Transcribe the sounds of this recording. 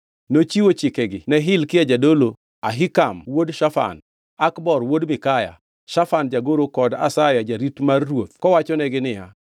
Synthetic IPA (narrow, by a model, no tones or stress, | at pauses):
not͡ʃiwot͡ʃɪkɛɡɪnɛɦɪlkɪjad͡ʒadolo | aɦɪkamwodʃafa̰n | akbɔrwodmɪkaja̰ | ʃafand͡ʒaɡoɾokɔda̰sajad͡ʒaɾitmarːwot̪̚kɔwat͡ʃɔnɛɡɪnɪja